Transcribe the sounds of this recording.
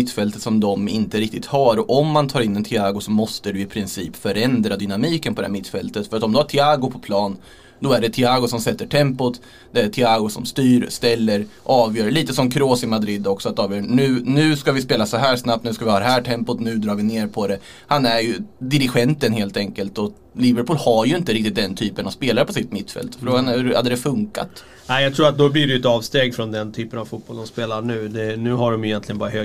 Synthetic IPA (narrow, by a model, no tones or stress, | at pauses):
ɪt̪ːfɛlt̪ət̪sɔmd̪ɔmɪ̰nt̪əɾɪk̚t̪ɪt̪haɾɔɔmːant̪ʰɑːɾɪnːɛnt̪ʰɪaːɡʊsɔmɔst̪əd̪ɵɪpʰɾɪnsiːpfœɾɛnd̪ɾad̪ʏnamiːkənpʰɔd̪ɛhæ̰ːmɪt̪ːfɛlt̪ət̪fœɾat̪ɔmd̪ɵhaʈʰɪaːɡʊpʰɔ̥pʰlɑːn | d̪ɔæɖɛt̪ʰɪaːɡʊsɔmsɛt̪ːəʈʰɛmpʊt̪ | d̪ɛæʈʰɪaːɡʊsɔmst̪yːɾst̪ɛlːəɾʔɑːvjœːɾɭiːt̪əsɔmkʰɾoːsɪmad̪ɾɪd̪ɔksɔat̪ːɑːvjœːɳʉ̟ːnʉ̟ːskavɪspeːlasɔɦæːʂnapt̪nʉskavɪhɑːd̪ɛɦæːʈʰɛmpʊt̪nʉ̟ːd̪ɾɑːɾvɪneːɾpʰɔd̪ɛ | hanæɾjɵd̪ɪɾɪɧɛnt̪ənɦeːlt̪ɛŋkəlt̪ɔ | lɪvəɾpʰuːlhaɾjɵɪnt̪əɾɪk̚t̪ɪt̪̚d̪ɛnt̪ʰyːpənavspeːlaɾəpʰɔsɪt̪mɪt̪ːfɛ̰lt̪fɾoːɡanʉha̰d̪ːəd̪ɛfɵŋka̰t̪ | æɪjat̪ʰɾuːɾat̪̚d̪ɔblɪɖɛjʉɛt̪ɑːvst̪eːɡfɾɔnd̪ɛnt̪ʰyːpənavfut̪̚b̥ɔld̪ɔmspeːlaɳʉ̟ːd̪ɛnʉ̟ːɦaɖɔmjʏjɛnt̪lɪɡənbɑːɾahø